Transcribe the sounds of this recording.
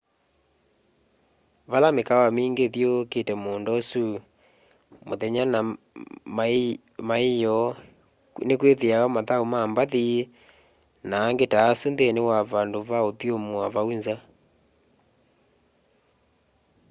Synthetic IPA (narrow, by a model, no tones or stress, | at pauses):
βalamekawameːŋɡeðjoketɛmoːndɔsu | moðɛɲana | ma | maijɔ | nekweðeajɔmaðaomaːmbaði | naːŋɡetaːsundenewaβandoβaoðjomwaβaunza